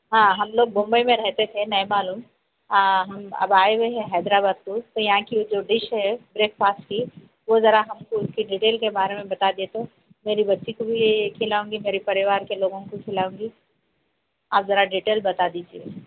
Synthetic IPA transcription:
ɦãːɦɐmloːɡ̚bõːmbəimẽɾɛɦt̪et̪ʰenɐɦimaːluːm | ɦɐmɐ̰baːeʋeɦɛ̃ɦɛːd̪ɾabaːd̪̚kot̪ojɐɦãkid͡ʒoːɖɪʃɦɛbɾeːk̚paːsʈki | ʋozɐɾaɦɐmkoʊskiɖiːʈeːlkebaːɾemẽbɐt̪ad̪iet̪ʰo | meːɾibɐtːʃikobʱikʰɪlaːũːŋɡimeːɾipɐɾɪʋaːɾkeloːɡõkokʰɪlaːõːɡi | aːpzɐɾaɖiːʈeːlbɐt̪ad̪iːd͡ʒieː

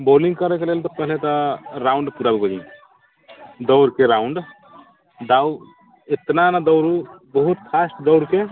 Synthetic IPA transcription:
boliŋɡkəɾɛkelelt̪ɔpəɦlet̪ɔɾaʊɳɖpuɾabiɡod͡ʒĩ | d̪ɔʊɾkeɾaʊɳɖ | d̪aw | et̪nanad̪ɔwɾubəɦut̪pʰasʈd̪ɔʊɾke

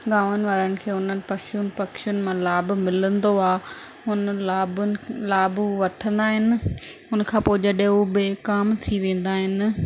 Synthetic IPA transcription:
ɠaːʋənɪ̆ʋaːɾənɪ̆kʰeːʊn̤ənɪ̆pɐʃʊnɪ̆pɐkʃjʊnɪ̆mãlaːbmɪlə̃nd̪oaː | ʊnəaːblaːbuʋɐʈʰə̃nd̪aːɦɪnɪ̆ʊnkʰãːpoːɪd͡ʑɐɗeɦubɪkaːmt̪ʰiʋẽːn̆d̪aːɦɪnɪ

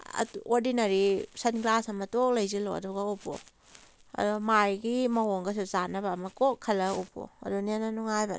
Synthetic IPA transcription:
ɐ̰oɾdinɐɾisɐnɡlasɐmɐtok̚lɐjzilo̰ɐ̰dɔɡaupʰo̰ | ɐ̰dumajɡimɐɦoŋɡɐs̬uzanɐbɐːmɐkokʰːɐlɐupʰo̰ɐ̰dunenɐnuŋajbɐ̰n

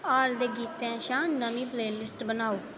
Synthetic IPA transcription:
aːld̪eːɡiːt̪ɛ̃ːʃãːnəmĩːpleːlɪsʈbənaːoː

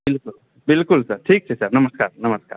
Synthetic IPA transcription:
bɪlkul | bɪlkulsɐɾʈʰiːk̚sʰɛsɐɾnɐməskaːɾnɐməska̰ːɾ

